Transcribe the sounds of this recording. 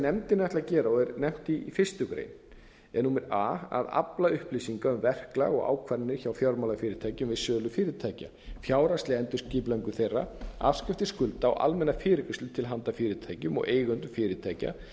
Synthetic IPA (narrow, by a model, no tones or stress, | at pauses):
nɛmt̪ɪnajt̪acɛːɾaɔɛɾnɛm̥t̪ifɪr̥st̪ʏkɾḛːjn | ɛnuːmɪɾaːa̰ða̰plaʏhplisiŋkaʏmvɛr̥kla̰ɣɔ̰ɣa̰ːwkʰvaɾnːɪçawfjɔɾmalafɪːɾɪt̪ʰaːjcʏmvɪsœːlʏfɪːɾɪt̪ʰaːjca̰ | fjaːwɾast̪lɪɛnt̪ʏ̥sciːplaŋkʏθejrːa̰a̰fscɪft̪ɪskʏlt̪aɔ̰ʔa̰lmɛnːafɪːɾɪkʏsɪt̪ʰɪlɦant̪afɪːɾɪt̪ʰaːjcʏmɔ̰ɣeːjɣʏnt̪ʏfɪːɾɪt̪ʰaːjca̰